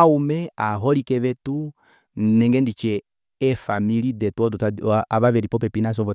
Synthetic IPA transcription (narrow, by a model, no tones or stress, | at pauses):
umɛaɦɔlikɛʋɛtu | nɛŋɡɛndit͡ʃɛ | ɛfamilidɛtuɔdɔtaaβaβɛɾipɔpɛpinas̬ɔvɔ